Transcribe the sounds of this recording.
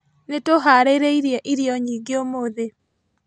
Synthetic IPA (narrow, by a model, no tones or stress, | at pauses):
netoɦaɾeɾeiɾjaʔiɾjɔɲiːɡeomoðe